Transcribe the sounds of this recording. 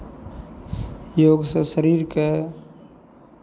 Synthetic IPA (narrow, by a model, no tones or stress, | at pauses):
joːɡsɐʃəɾiːɾke